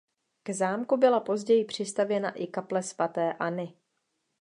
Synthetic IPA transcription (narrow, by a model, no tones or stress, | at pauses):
ɡ̥zaːmkubɪlapo̞zɟɛjɪpr̝̥ɪst̪avjɛna̰ʔɪkaplɛsvat̪ɛːʔanɪ